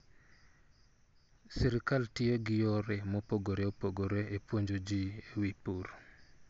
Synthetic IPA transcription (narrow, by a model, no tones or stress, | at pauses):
siɾɪkaltɪeɡɪjoɾemopoɡoɾeopoɡoɾeepwoɲd͡ʒod͡ʒiewipuɾ